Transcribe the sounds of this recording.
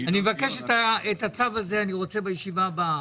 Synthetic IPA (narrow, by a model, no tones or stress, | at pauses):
animevake̞ʃetaetat͡savaze̞aniʁo̞t͡se̞bejeʃivaba